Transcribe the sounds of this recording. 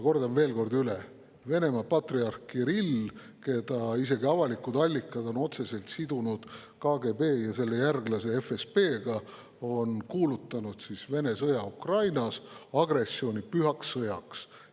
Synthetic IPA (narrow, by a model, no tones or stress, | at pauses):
ko̞rd̪ɑmve̞ːlko̞rd̪yle | ve̞ne̞mɑpɑt̪riɑrkiɾil | ke̞d̪̥ɑise̞ɡiɑvɑlikːˑud̪ɑlʲːikːˑɑd̪o̞no̞t̪se̞se̞lt̪sid̪unud̪̥ | kɑːɡe̞be̞ːjɑse̞lːe̞jærɡlɑse̞efespe̞ːɡ̥ɑ | o̞nkuːlut̪ːˑɑnud̪̥sisve̞ne̞sɤjɑukrɑjnɑsɑɡ̥re̞sːio̞ːnʲipyɦɑksɤjɑks